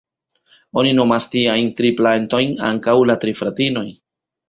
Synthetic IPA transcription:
o̞nino̞mastiajntɾiplanto̞jna̰ŋkawlatɾifɾatino̞j

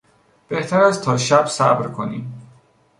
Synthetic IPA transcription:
b̥e̞ht̪ʰæɾæzt̪ʰɒːʃæb̥sæ̰bɾkʰo̞nḭːm

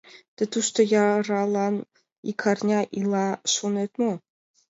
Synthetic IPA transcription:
t̪ɘ̆t̪uʃt̪ŏjɑrɑlˠɑn | ḭkʰɑrnʲɑʔilˠɑʃunet̪mo

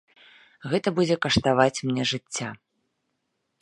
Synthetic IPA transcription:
ɣɛt̪ɐbud͡zʲɛkɐʂt̪avat͡sʲmnʲɛʐɨt͡sʲːa

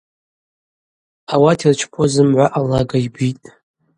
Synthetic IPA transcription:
awatʰirt͡ʃʰpʰozɨmʕʷaʔalaɡaibitʼ

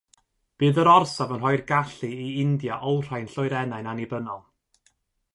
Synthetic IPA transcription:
b̥ɨːðəɾɔrsavənɦɔjrɡaɬɨiɪndjaʔɔwr̥ajnɬʊjɾɛnajnanibənɔlˠ

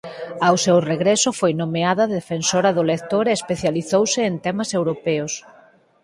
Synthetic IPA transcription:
awsewreɣɾɛsʊfojnomeaðɐðefensoɾɐðʊlek̚t̪oɾeːspeθjaliθowsɪːnt̪ɛmɐsewɾopɛos

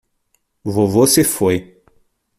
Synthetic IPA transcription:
vovosefoj

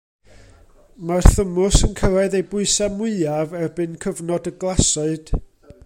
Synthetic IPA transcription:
marθəmʊsənkʰəɾaɨðejbʊɨsamwɪɨavɛrbɨnkʰəvnɔdəɡlˠasɔɨd̥

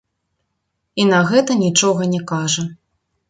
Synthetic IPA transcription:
inɐɣɛt̪ɐnʲit͡ʂɔɣɐnʲɛkaʐɐ

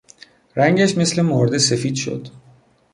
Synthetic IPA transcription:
ɾæŋɟæʃme̞sle̞mɒɾd̪esefiːd̪ʃo̰d̪

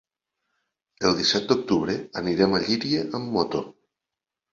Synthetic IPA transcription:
əlˠd̪isɛt̪̚d̪ok̚t̪uβɾeəniɾɛmaʎiɾieʔəmːɔt̪o

